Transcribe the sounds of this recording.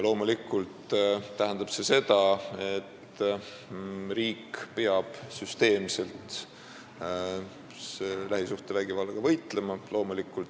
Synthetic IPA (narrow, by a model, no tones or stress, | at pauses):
lo̞ːmulikːˑult̪t̪ːæɦɛnd̪ɑb̥se̞se̞d̪̥ɑe̞t̪ː | riːkpeɑb̥syst̪e̞ːmse̞lt̪ | selæɦisuht̪evæɡ̥ivɑlːɑɡ̥ɑvɤjt̪ˑle̞mɑlo̞ːmulikːˑult̪